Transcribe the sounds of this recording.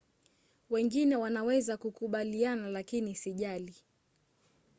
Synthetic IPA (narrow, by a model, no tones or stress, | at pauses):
wɛŋɡinɛwanawɛzakukuɓalianalakinisiʄali